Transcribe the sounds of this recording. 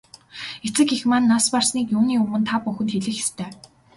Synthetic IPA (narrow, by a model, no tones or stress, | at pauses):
et͡sɘ̆kixmanːasparsniːkjuːniːɵmɵ̆nt̪ʰapːuxɘ̆nt̪xeɮɘ̆xe̥st̪ʰæː